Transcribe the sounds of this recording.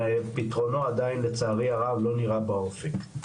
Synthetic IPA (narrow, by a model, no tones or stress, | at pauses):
pit̪ʁo̞noad̪ainlet͡saːʁiaʁavlo̞niʁabao̞fek